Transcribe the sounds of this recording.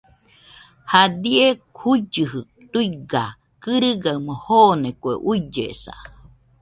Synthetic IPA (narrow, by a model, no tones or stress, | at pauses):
had̪iekʰuid͡ʒɨɦɨ | t̪uiɡa | kɨɾɨɡamohoːnekuḛʔuid͡ʒḛsa̰